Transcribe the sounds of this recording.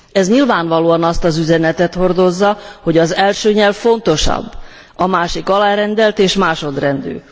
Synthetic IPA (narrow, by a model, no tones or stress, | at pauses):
ɛzɲilvaːɱvɒloːɒnɒst̪ɒzyzɛnɛt̪ɛt̪ho̞rd̪o̞zːɒho̞ɟɒzɛlʃøːɲɛlvfo̞nt̪o̞ʃɒ̰bː | ɒmaːʃikɒlaːɾɛnd̪ɛlt̪eːʃmaːʃo̞d̪rɛnd̪ø̰ː